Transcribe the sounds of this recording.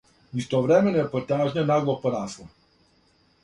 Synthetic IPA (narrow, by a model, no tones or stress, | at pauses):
ist̪ɔvɾɛmɛnɔɛpɔt̪aʒɲanaɡlˠɔpɔnaslɔ